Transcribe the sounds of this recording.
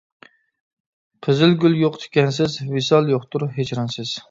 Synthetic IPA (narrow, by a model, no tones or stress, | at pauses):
pʰɪzɪlɡʲylˠjoqt̪ʰɪ̥kʲɛnsɪzvisɑlˠjoχt̪ʊɾɦet͡ʃʰɾɑnsɪz̥